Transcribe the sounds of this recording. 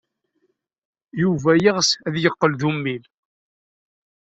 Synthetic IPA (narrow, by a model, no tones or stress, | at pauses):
juvæjəʁsæðjəqːəlðumːil